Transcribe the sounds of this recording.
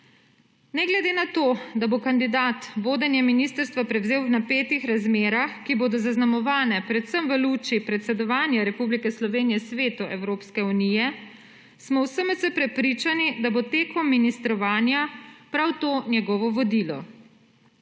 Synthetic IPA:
nɛɡlɛd̪enat̪oːd̪abokand̪id̪at̪ʋoːd̪ənjɛminist̪əɾst̪ʋapɾɛwzeːwwnapeːt̪ixɾazmeːɾaxkiboːd̪ɔzaznamɔʋaːnɛpɾɛt̪səmʋəluːt͡ʃipɾɛt̪sɛd̪ɔʋaːnjaɾɛpublikɛslɔʋeːnijɛsʋeːt̪uʔɛwɾoːpskɛunijɛ | smɔwsəmət̪sɛpɾɛpɾit͡ʃanid̪abot̪eːkɔmːinist̪ɾɔʋaːnjapɾawt̪oːnjɛɡɔːʋɔʋɔd̪iːlɔ̰

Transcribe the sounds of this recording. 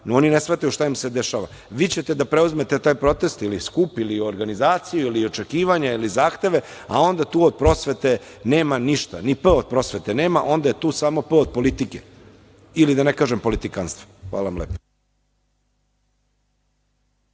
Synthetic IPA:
noo̞ninesʋaːt̪ajuʃt̪aimsed̪eʃaʋa̰ | ʋiːt͡ɕet̪e̞d̪apɾe̞uzme̞t̪et̪aːjpɾo̞t̪e̞st̪iliskupilio̞ɾɡanizaːt̪sijuilio̞t͡ʃe̞kiːʋaɲailizaːxt̪e̞ʋe̞a̰o̞nd̪at̪uːod̪̚pɾo̞sʋe̞t̪e̞ne̞ːmaniʃt̪anipəod̪̚pɾo̞sʋe̞t̪ene̞ːmaʔo̞nd̪aje̞t̪uːsamo̞p̩od̪̚po̞lit̪ike | ilid̪anekaːʒempo̞lit̪ikanst̪ʋo̥xʋa̰ːlaamlḛpo̥

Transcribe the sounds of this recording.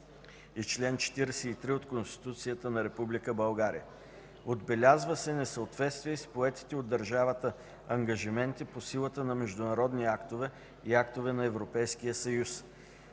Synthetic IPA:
it͡ʃlɛnt͡ʃɛ̥t̪iɾɛsɛit̪ɾiot̪konst̪i̥t̪ut̪sijət̪ənɐɾɛpublikəbɐlˠɡaɾḭjə | od̪bɛlʲazvəsɛnɛsəot̪vɛt̪st̪viəspoɛt̪i̥t̪ɛod̪ːɐɾʒavət̪ə | ɐŋɡəʒimɛnt̪iposilˠət̪ənɐmɛʒd̪ʊnɐɾɔd̪niakt̪ovɛ | iakt̪ovɛnɐɛvɾopɛjskijəsɐjus

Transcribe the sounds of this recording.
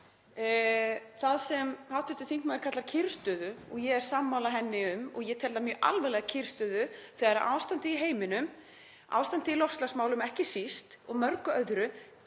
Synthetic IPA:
θaðsɛmhawt̪ɪst̪ʏ̥θiŋkmawɪɾkat̪lcʰɪɾ̥st̪ʏðʏɔɣjɛɣɛɾ̥saːmːawlaɦɛnːɪʏmɔɣjɛt̪ʰɛlðamjœːʔa̰lvɛlɛɣacʰɪr̥st̪ʏðʏθɛːɣaɾʔaːwst̪ant̪ɪiɦeːjmɪnʏm | a̰ːwst̪ant̪ɪilɔst̪lasmaːwlʏmɛhcɪsist̪ɔɣmœɾkʏœðɾʏ

